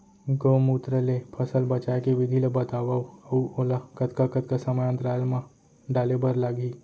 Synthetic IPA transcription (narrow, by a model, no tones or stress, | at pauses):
ɡoːmuːt̪ɾəlepʰɐsəlbɐt͡ʃaːekeʋɪd̪ʱilebɐt̪aːwauɐuoːlakɐt̪kakət̪kasɐməjə̃nt̪ɾaːlmã | ɖaːlebɐɾlaɡi